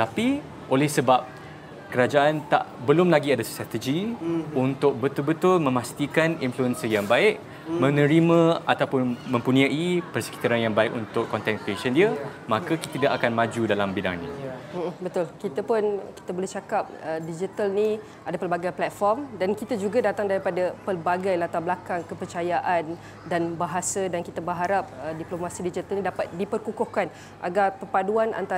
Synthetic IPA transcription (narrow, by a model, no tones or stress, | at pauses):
t̪api | ʔolɛhsəbap̚ | kəɾad͡ʒaʔant̪a̰ʔbəlʊmlaɡiadast̪ɾat̪əd͡ʒiunt̪ʊk̚bət̪ʊlbət̪ʊlmə̃mast̪ikaninfluənsəjaŋbaɪʔ | mə̃nə̃ɾimə̃at̪awpʊnmə̃mpunĩaʔipərsə̥ki̥t̪aɾanjaŋbaɪkunt̪ʊkːɔnt̪ɛnkpeʃəndiəmakakit̪idaʔakanmãd͡ʒudalambida̰ŋnḭ̃m̩bət̪ʊlkit̪apʊnki̥t̪abolɛht͡ʃakap̚ədid͡ʒit̪alni | adapəlbaɡajplɛt̪̚fɔrmdankit̪ad͡ʒuɡadat̪aŋdaɾipadapərbaɡajlat̪ablakaŋkəpərt͡ʃajaʔan | danbaɦasədankit̪abəɦaɾap̚ədiplomãsidid͡ʒit̪alnĩdapat̪̚dipərkukʊhkan | ʔa̰ɡarpərpaduanʔa̰nt̪a